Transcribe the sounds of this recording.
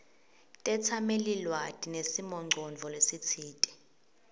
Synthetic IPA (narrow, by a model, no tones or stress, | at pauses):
tʼɛt͡sʰamelilwatʼinesimɔŋ͡ǃʱɔnd͡ɮʱɔlesit͡sʰiːtʼi̥